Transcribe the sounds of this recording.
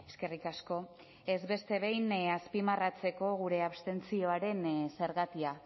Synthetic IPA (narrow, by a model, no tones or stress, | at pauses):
e̞ske̞rikasko̞ | e̞zβe̞st̪e̞βe̞jnaspimarat͡se̞ko̞ɣ̞uɾe̞aβst̪e̞nt͡sio̞aɾe̞nse̞ɾɣat̪ia